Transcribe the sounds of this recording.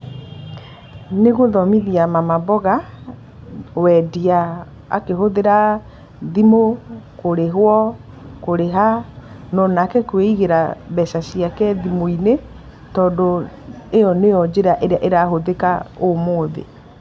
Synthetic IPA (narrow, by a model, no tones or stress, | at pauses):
neɣoðɔmiðiamamabɔɣa | wɛdia | a̰keɦoðeɾa | ðimokoɾeɦwɔ | koɾeɦa | nɔnakɛkweiɣeɾaβɛsasiakɛðimoine | tɔːdoejɔnejɔd͡ʑeɾaʔeɾeaʔeɾaɦoðekaomoːðḛ